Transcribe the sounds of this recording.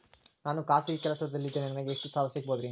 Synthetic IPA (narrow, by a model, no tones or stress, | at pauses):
naːnukaːsikɛlɐsɐd̪ɐlːid̪ːeːninɐnɐɡeeʂʈusaːlɐsik̚boːd̪ɾi